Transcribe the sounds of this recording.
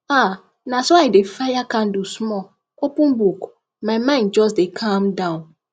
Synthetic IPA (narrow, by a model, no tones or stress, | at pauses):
a | nãsɔaɪdefajakʰãndusmɔ | opũnbuk | mãɪmãɪ̃nd̚d͡ʒɔs̬dekʰãmdãn